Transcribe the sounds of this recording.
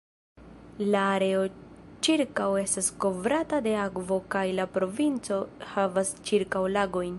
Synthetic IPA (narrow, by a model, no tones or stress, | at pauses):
laːɾe̞o̞t͡ʃiɾkawe̞stasko̞vɾatade̞akvo̞kajlapɾo̞vint͡so̞havast͡ʃiɾkawlaɡo̞jn